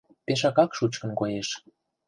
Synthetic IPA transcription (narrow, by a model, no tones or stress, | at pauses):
peʃ̬ɑkɑkʃut͡ɕkə̆nkojeʃ